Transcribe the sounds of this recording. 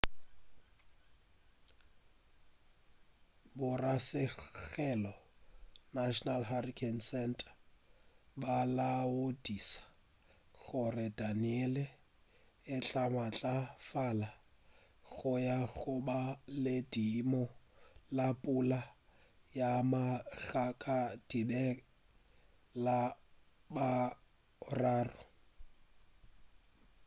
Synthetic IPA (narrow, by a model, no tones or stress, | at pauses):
bʊrasɪɣɛlɔ | naʃɔnalɦarikʰɛnsɛntʼḁ | balaodisḁ | ɣʊrɪdaniɛlɛ | ɪt͡ɬʼamat͡ɬʼafala | ɣʊjaɣʊbalɪdimɔlapʼula | jamaɣakʼad̥ibɛ | la | ba | ʊraːrʊ